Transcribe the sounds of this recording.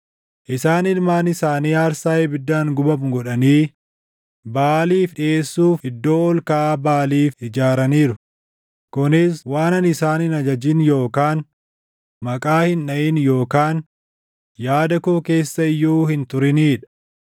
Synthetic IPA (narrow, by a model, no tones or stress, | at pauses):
ʔɪsaːnɪlmaːnɪsaːniːaːɾsaːjebɪd̪ːaːŋɡʊbɐmɡɔᶑɐniː | baːliːfᶑɪeːsːuːfɪd̪ːo̞ːɔlkɐʔaːbaːliːfɪd͡ʒaːɾɐniːɾʊ | kʊnɪswaːnɐnɪsaːnɪnɐd͡ʒɐd͡ʒɪnjo̞ːkaːn | mɐkʼaːhɪnːɐʔɪnjo̞ːkaːn | jaːd̪ɐkoːke̞ːsːɐɪjːuːhɪnt̪ʊɾɪniːᶑɐ̥